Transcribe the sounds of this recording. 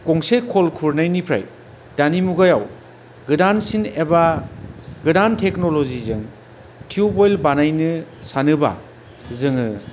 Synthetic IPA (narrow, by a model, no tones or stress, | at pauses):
koŋsekʰolkʰuɾnajnipʰɾa̰j | danimuɡajaw | ɡɯdansineba | ɡɯdantʰeknolozizɯŋ | tʰiubojlbanajnɯsanɯba̰ | zɯŋɯ